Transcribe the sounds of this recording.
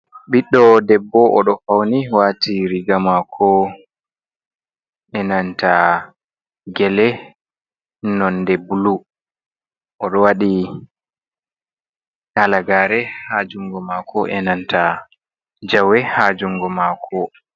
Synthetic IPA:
ɓiɗːɔdɛbːɔʔɔɗɔfawniwaːtiɾiɡamakʰɔ | ʔɛnantʰa | ɡɛlɛ | nɔndɛbulu | ʔɔɗɔwaɗi | nalaɡaːɾɛhad͡ʒuŋɡɔmakʰɔʔɛ̰nanta | d͡ʒawɛhad͡ʒuŋɡɔmakʰɔ

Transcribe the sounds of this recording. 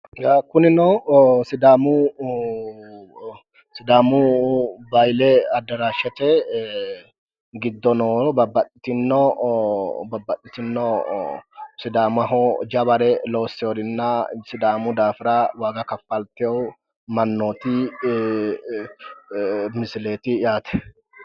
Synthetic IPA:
ɡakʊnɪnɔsɪd̪aːmʊ | sɪd̪aːmʊbɐjlɛɐd̪ːɐɾaːʃɛt̪ɛ | ɡɪd̪ːɔnobɐbːɐt̪ʼːɪt̪ɪnːɔ | bɐbːɐt̪ʼːɪt̪ɪnːɔ | sɪd̪aːmɐɦɔd͡ʒɐbɐɾɛlo̞ːsːɛjɔd̪ɪnːɐsɪd̪aːmʊd̪aːfɪɾawaːɡɐkɐfːɐlt̪ɪjɔw | mɐnːoːt̪ɪ | mɪsɪleːt̪ɪjaːt̪ɛ̥

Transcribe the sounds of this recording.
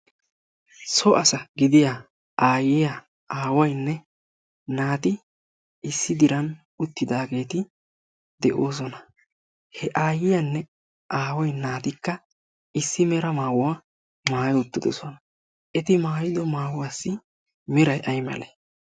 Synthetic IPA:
sɔʔɐsɐɡɪd̪ɪja | aːjɪja | aːwɐjnːɛ | naːt̪ɪ | ɪsːɪd̪ɪɾɐn | ʊt̪ːɪd̪aːɡe̞ːt̪ɪ | d̪̥ɛʔoːs̬ɔnɐ | hɛʔaːjɪjɐnːɛ | ʔaːwɐjnaːt̪ɪkːɐ | ɪsːɪmɛɾɐmaːwʊwa | maːjʊt̪ːɪd̪ɔsɔnɐ | ʔɛt̪ɪmaːjɪd̪ɔmaːwwaːsːɪ | mɪɾɐjʔɐjmɐ̰leː

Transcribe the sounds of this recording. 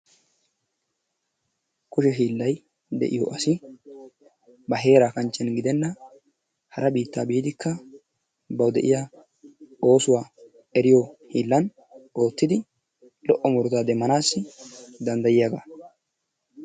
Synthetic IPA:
kʊʃɛɦiːlːɐj | d̪ɛ̰ʔɪ̰jɔ̰ʔɐsɪ | bɐɦe̞ːɾaːkɐnt͡ʃːɛnɡɪd̪ɛnːɐ | hɐɾɐbiːt̪ːaːbiːd̪ɪkʰːɐ | bɐwd̪ɛʔɪja | o̞ːsʊwaː | ɛɾɪjohiːlːɐn | o̞ːt̪ːɪd̪ɪ | lɔʔːɔmʊɾt̪aːd̪ɛmːɐnaːsːɪd̪ɐnd̪ɐjɪjaɡa̰

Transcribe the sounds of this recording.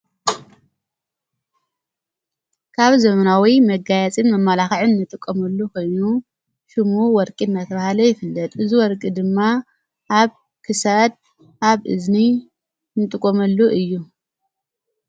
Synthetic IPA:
kʰaβzɐmɐnawimɐɡajat͡sʼimːɐmːalaxʕɨnːɨt̪ʼɨkʼːomɐlːukʰo̞jnu | ʃɨmuwɔɾkʼinːat̪ʰɐβahalɐjɪfɨlːɐt̪ʼɨziwɔɾkʼid̪ɨmːa | ʔaβ | kʰɨsad̪̚ | ʔaβʔɨ̰zni | nɨt̪ʼɨkʼːomɐlːuʔɨjːu

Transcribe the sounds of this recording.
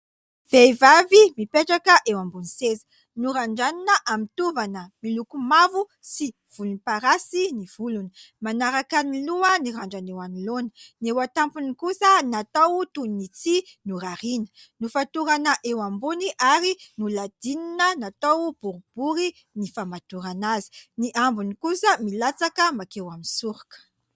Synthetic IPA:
v̥ejvavimipeʈ͡ʂakəʔewambunisezə̥ | nuɾaɳɖ͡ʐaninəʔamint̪uvanəmilukumavu | si | v̥ulunipaɾasiniv̥uluni̥ | manaɾakaniluəniɾaɳɖ͡ʐanewanilonə̥newat̪ampunikusənat̪awt̪unnit͡sinuɾaɾinə̥ | nufat̪uɾanəʔewambuniʔaɾinulad̪̥ininənat̪awb̥uɾub̥uɾi | nifamat̪uɾanazi̥niʔambunikusəmilat͡sakəmakewaminsuɾakə̥

